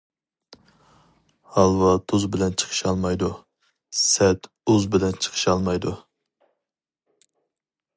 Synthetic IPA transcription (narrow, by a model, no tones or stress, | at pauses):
hɑlˠwɑt̪ʰuzbɪlɛnt͡ʃʰə̥qʰə̥ʃɑlˠmɑjd̪u | sɛt̪ | uzbɪlɛnt͡ʃʰə̥qʰə̥ʃɑlˠmɑjd̪u